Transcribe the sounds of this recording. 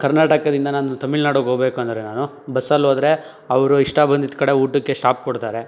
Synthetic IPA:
kɐɾnaːʈɐkɐd̪ind̪ɐnaːnut̪ɐmːiɭnaːɽoɡɦoɡbe̞ːkuɐnd̪ɐɾenaːnu | bɐsɐloːd̪ɐɾe̞ | ɐʋɐɾuiʂʈɐbɐnd̪id̪kɐɽe̞uːʈːukːe̞ʂʈaːp̚kɔɽt̪aːɾe̞

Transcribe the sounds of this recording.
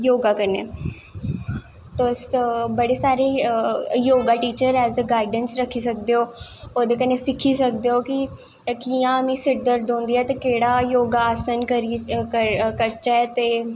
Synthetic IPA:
joːɡaːkənḛː | t̪oːsbəɽeːsaːɾeːjoːɡaːʈiːt͡ʃəɾɛːzd̪əɡaːɪɖənsɾəkʰːiːsək̚d̪eɦoːoːd̪eːkənːeːsɪkʰiːsək̚d̪eɦoːki | kiãːəmĩːsɪʈ̚d̪əɾd̪õːnd̪iːɛːt̪eːkeːɽaːjoːɡaaːsənəɾəkəɾt͡ʃaɛt̪eː

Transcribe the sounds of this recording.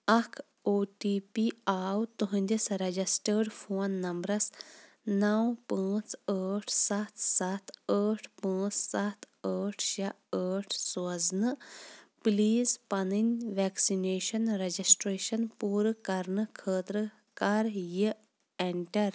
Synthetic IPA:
ɐkʰ | oːʈiːpiaːwt̪uɦɐ̃nʲd̪ʲisɾed͡ʒisʈəːɾɖfʰoːnːɐmbɾɐs | nɐwpə̃ːt͡səːʈʰsɐt̪ʰsɐt̪ʰəːʈʰpə̃ːt͡ssɐt̪ʰ | əːʈʰʃa | əːʈʰsɐznɨpliːzpɐninʲʋeːksineːʃɐnɾed͡ʒisʈɾeːʃɐnpuːɾkɐɾɳɨkʰəːt̪ɾə | kaːɾjə | eɳʈɐɾ

